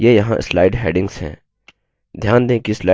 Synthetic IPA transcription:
jejɐɦãʔɪslaːɪɖɦɛːɖɪ̃ŋɡsɦɛ̰̃ː | d̪ʱjaːnd̪ẽːkislaː

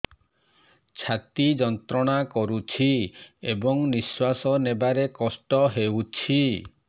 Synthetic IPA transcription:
t͡ʃʰat̪id͡ʒɔnt̪ɾɔɽ̃akɔɾut͡ʃʰiebɔŋniswasɔnebaɾekɔsʈɔɦewt͡ʃʰi

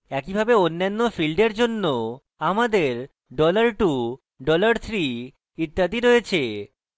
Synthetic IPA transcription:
ɛkibʱabeonːanːofilɖeɾd͡ʑonːo | amad̪eɾ | ɖɔlaɾʈu | ɖɔlaɾt̪ʰɾi | it̪ːad̪iɾojet͡ɕʰe

